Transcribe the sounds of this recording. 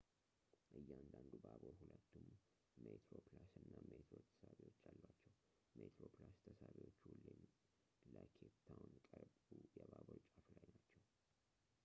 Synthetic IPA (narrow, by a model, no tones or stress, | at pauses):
ʔɨjːand̪and̪ubaβoɾhulət̪ːumː | et̪ʰɾoplasɨnːamet̪ʰɾot̪ʰə̥saβiwo̞t͡ʃːalːwat͡ʃːɛw | met̪ʰɾo̞plast̪ʰəsaβiwo̞t͡ʃːulen | ləkʰet̪ʰːawnkʼəɾbujɛbaboɾt͡ʃʼaflajnat͡ʃːɛw